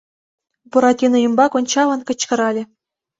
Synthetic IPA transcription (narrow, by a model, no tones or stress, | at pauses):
buɾɑtʲinɤ̆jɤmbɑkonʲt͡ɕɑlɤ̆nkɤ̆t͡ɕkɤ̆ɾɑlʲɘ̆